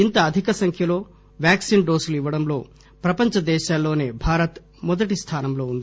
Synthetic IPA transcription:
int̪ɐːd̪ʱikɐsɐŋkʰjɐlo̞ː | ʋjaːksiːnɖoːsluiʋːɐɽɐmlo̞̰ː | pɾɐpɐɲt͡ʃɐd̪ɛːʃaːlːo̞ːneːbʱaːɾɐt̪ | mɔd̪ɐʈist̪ʰaːnɐmlo̞ːund̪ii

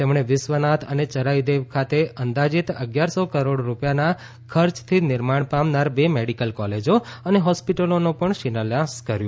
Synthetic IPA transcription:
t̪emɳ̃eʋɪsʋənat̪ʰə̰net͡ʃəɾaid̪eʋkʰat̪eənd̪ad͡ʒit̪ə̰ɡjaɾsokəɾoɽɾupjana | kʰəɾt͡ʃt̪ʰinɪɾmaɳpamnaɾbemeɽikəlkɔled͡ʒoəneɦɔspiʈəlonũpəɳʃinəljãskəɾjũ

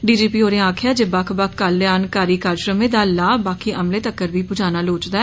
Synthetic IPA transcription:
ɖiːd͡ʒiːpioːɾẽaːkʰjad͡ʒebaːkʰbakːaːlːeaːnkaːɾikaːɾʃɾə̃mːẽd̪aːlaːbaːkiʔɐmlet̪əkːəɾbʱipʊd͡ʒaːnaloːt͡ʃd̪a

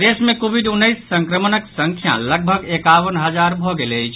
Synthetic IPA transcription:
d̪esmẽkobʱiɖunːəjsːəŋkɾəmənəksəŋkʰjã̰ləɡ̚bʱəɡekaʋənɦəd͡ʒaɾbʱoɡeləjt͡ʃʰ

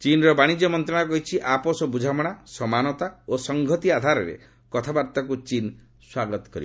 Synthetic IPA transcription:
t͡ʃinɔɾɔbaɽ̃id͡ʒɔmɔnt̪ɾɔɽ̃akɔɦit͡ʃʰiʔapɔsɔbud͡ʒʱamɔɽ̃asɔmanɔt̪aosɔŋɡʱɔt̪iad̪ʱaɾɔɾḛ | kɔt̪ʰabaɾt̪ɔkut͡ʃin | swaɡɔt̪ɔ̥kɔɾḭb

